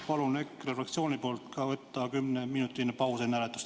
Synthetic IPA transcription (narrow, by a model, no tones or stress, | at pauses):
pɑlunekrefrɑkt̪sio̞ːnipo̞ːlt̪kɑvɤt̪ːɑkymneminut̪ːˑinpɑwsenæɾet̪ːu̥st̪